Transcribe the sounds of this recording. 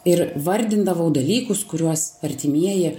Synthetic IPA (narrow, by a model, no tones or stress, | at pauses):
ɪɾʋɐɾʲd̪ʲɪnd̪ɐʋɐʊd̪ɐlʲiːkʊskʊɾʲuɔsɐɾʲt̪ʲɪmʲiɛjɪ